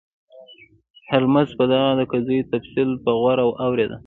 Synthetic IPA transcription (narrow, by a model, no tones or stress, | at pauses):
halmazpəd̪aɣad̪əkazajot̪afsilpəɣwaɾawawɾed̪a̰